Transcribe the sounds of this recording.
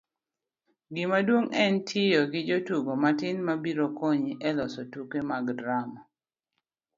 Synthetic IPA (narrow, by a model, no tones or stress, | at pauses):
ɡɪmadwoŋɛntʰɪjɔɡɪd͡ʒotuɡomatɪnmabiɾokoɲiʔɛlɔsɔtukemaɡdɾamɔ